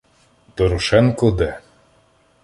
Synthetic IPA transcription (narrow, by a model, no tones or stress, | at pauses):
d̪ɔɾɔʃɛnkɔd̪ɛ